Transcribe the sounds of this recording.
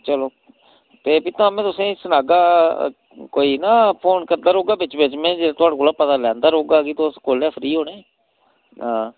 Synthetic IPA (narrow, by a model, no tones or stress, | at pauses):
t͡ʃəloː | t̪eːbiːt̪ãːmẽːt̪ʊsẽːisənaːɡaː | koːiːnaːpʰoːnkəɾd̪aːɾoːɡaːbɪt͡ʃbet͡ʃmẽːd͡ʒet̪ʊaːɽakoːlaːpət̪aːlɛ̃ːnd̪aːɾoːɡaːkiːt̪oskoːlɛːfʰɾiːɦoːɽeː | ãː